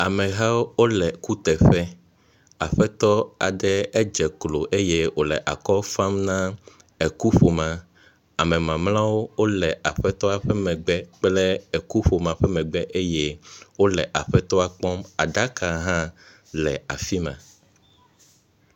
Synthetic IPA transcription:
a˨mɛ̃˨ɦa˦wo˦wo˦lɛ˨ku˦t̪ɛ˨ɸɛ˦ | a̰˨ɸɛ˦t̪ɔ˦a̰˨ɖɛ˦ɛ˦d͡ʒɛ˨klo˨ʔe˦je˦wo˨lɛ̰˨ʔa˨kɔ˦fã˦mnã˦ | ɛ˨ku˦ɸo˨mã˦ | a˨mɛ̃˨mã˨mlã˦wo˦wo˦lɛ˨ʔa˨ɸɛ˦t̪ɔ˦a˦ɸɛ˦mɛ̃˨ɡ͡bɛ˦k͡plɛ˦ɛ˨ku˦ɸo˨mã˨ɸɛ˦mɛ̃˨ɡ͡bɛ˦ʔe˦je˦wo˦lɛ˨ʔa˨ɸɛ˦t̪ɔ˦a˨k͡pɔ˦ma˨ɖa˦ka˨ɦã˦ | lɛ˨a̰˨fi˦mã̰˨

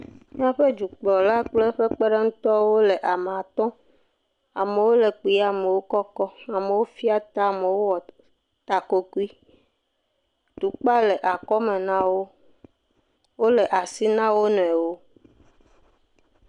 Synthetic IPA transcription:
mĩ˦ã˦ɸe˦d͡ʒu˨k͡plɔ˨la˦k͡ple˦ɸe˦k͡pe˦ɖe˦ŋũ˦t̪ɔ˦wo˦le˨ʔa˨m˨a˨t̪ɔ̃˦ | a̰˨me˨wo˦le˨k͡pi˨˦a˨me˨wo˦kɔ˦kɔ˦a˨me˨wo˦fi˦a˦t̪a˦˨me˨wo˦wɔ˨ | t̪a˨ko˦ku˦i˦ | t̪u˨k͡pa˦le˨ʔa˨kɔ˦me˨nã˦wo˦ | wo˦le˨ʔa˨si˦nã˦wo˦nɔ̃˨ɛ˨wo˦

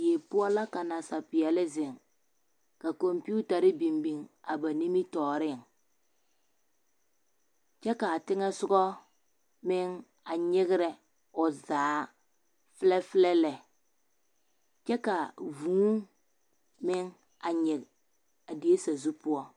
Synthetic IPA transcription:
je˨pʊ˦ɔ˦la˦ka˨na˨sa˨pɪ˨jɛ˨lɪ˦zɪ˨ŋ | ka˨ko˨mpi˦u˦ta˨ɾɪ˦bi˨mbi˨ŋa˨ba˨ni˦mi˦tɔː˨ɾɪ˦˨ŋ | t͡ʃɛ˦ka˨tɪ˦ŋɛ˦sʊ˦ɡɔ˦ | mɪ˦ŋ | a˨ɲɪ˦ɣɪ˦ɾɛ˨ | ʊ˨zaː˨˦ | fɪ˦lɛ˦fɪ˦lɛ˦lɛ˨ | t͡ʃɛ˦ka˨vuː˨˦ŋ | mɪ˦ŋ | a˨ɲɪ˨ɣ | a˨di˨e˦sa˨zu˦pʊ˦ɔ˦

